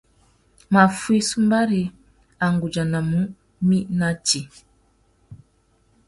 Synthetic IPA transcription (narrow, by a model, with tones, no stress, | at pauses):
ma˨fwi˦su˦mba˦ɾi˨ | a˨ŋɡu˨d͡ʒa˨na˨mu˦ | mi˦na˦ti˨